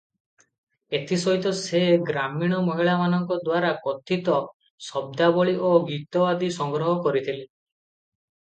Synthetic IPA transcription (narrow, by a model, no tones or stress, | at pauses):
et̪ʰisɔɦit̪ɔseɡɾamiɽ̃ɔmɔɦiɭamanɔŋkɔd̪waɾakɔt̪ʰit̪ɔ | sɔb̚d̪abɔɭiʔoɡit̪ɔwad̪isɔŋɡɾɔɦɔkɔɾit̪ʰile